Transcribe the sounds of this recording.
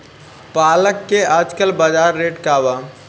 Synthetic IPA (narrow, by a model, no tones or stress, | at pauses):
paːləkːeaːd͡ʒkəlbad͡ʒaːɾːeːʈkaːʋaː